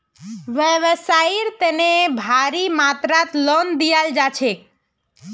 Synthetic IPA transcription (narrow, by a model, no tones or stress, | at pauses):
ʋəʋəsaiɾt̪ənebʱaɾimat̪ɾat̪lɔnd̪ijald͡ʒat͡ʃʰe